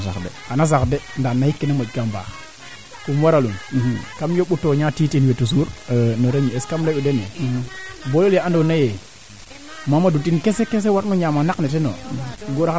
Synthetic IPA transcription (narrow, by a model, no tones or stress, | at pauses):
a̰kdeanas̬akdendanːahikːinamod͡ʒkamba̰ | kumwaɾalunkamjoɓutoɲatitinwetus̬uɾnoɾeɲieskamleudenḛ | bololjeandonaje | mamadutinkesekes̬ewatnoɲamanakneteno̰ɡoɾa